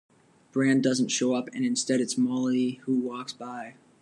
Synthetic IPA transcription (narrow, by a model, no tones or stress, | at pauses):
b̥ɹæ̃ndʌz̃n̩tʃoʊʌpɨ̰̃nɨ̃nstɛɾɨtsmɑlˠihuwɔksb̥aɪ